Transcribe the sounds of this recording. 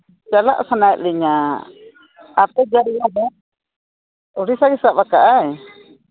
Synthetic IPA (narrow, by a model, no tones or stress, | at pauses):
t͡ʃala̰ʔsanaɛʔ̪̚liɲa | pɛd͡ʒaɾiabɛ | ɔɾisaɡisaʔbakaʔaj